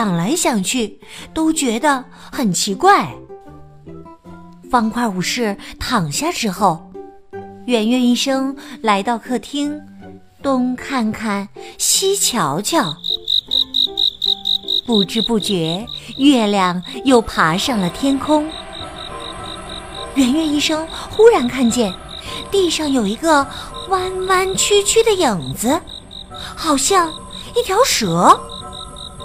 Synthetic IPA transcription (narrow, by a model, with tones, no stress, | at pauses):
ɑ˨˩ŋla˧˥ɪɕjɑ˨˩ŋt͡ɕʰy˥˩t̪o˥ʊt͡ɕɥɛ˧˥d̪ə˧ | xə˨˩nt͡ɕʰi˧˥kwa˥˩ɪ | fɑ˥ŋkʰwa˥˩u˨˩ʂɻ̩˥˩t̪ʰɑ˨˩ŋɕja˥˩ʈ͡ʂɻ̩˥xo˥˩ʊ | ɥɛ˨˩nɥɛ˥˧ni˥˩ʂɤ˥ŋla˧˥ɪt̪ɑ˥˧ʊkʰɤ˥˩t̪ʰi˥ŋ | t̪ʊ˥ŋkʰa˥˧nkʰa˥˩nɕi˥t͡ɕʰjɑ˧˥ʊt͡ɕʰjɑ˥˩ʊ | pu˥˩ʈ͡ʂɻ̩˥pu˥˩t͡ɕɥɛ˧˥ɥɛ˥˧ljɑ˥˩ŋjo˥˩ʊpʰa˧˥ʂɑ˥˩ŋlə˩t̪ʰjɛ˥nkʰʊ˥ŋ | ɥɛ˧˥nɥɛ˥˧ni˥˩ʂɤ˥ŋxu˥ɻa˧˥nkʰa˥˧nt͡ɕjɛ˥˧˩n | t̪i˥˧ʂɑ˥˩ŋjo˨˩ʊi˧˥ɡə˧wa˥nwa˥nt͡ɕʰy˥t͡ɕʰy˥d̪ə˨jɤ˨˩ŋd͡z̩˧ | xɑ˨˩ʊɕjɑ˥˧ŋi˥˩t̪ʰjɑ˧˥ʊʂɤ˧˥